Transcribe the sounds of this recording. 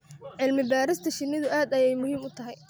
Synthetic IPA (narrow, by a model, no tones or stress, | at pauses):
ʕɪlmɪbaːɾɪst̪ʰɐʃɪnɪðʊaːd̪ɐjɛjmʊhiːmʊt̪ʰɐɦɛj